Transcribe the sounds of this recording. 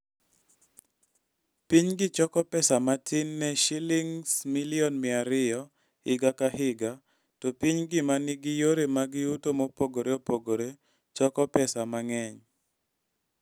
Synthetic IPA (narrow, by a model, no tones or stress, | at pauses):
piɲɡɪt͡ʃɔkɔpɛsamatʰɪnːɛʃilɪŋsmilɪɔnmɪaɾɪjɔ | hɪɡakahɪɡa | tɔpiɲɡɪmanɪɡɪjoɾemaɡɪutomopoɡoɾeopoɡoɾe | t͡ʃɔkɔpɛsamaŋɛɲ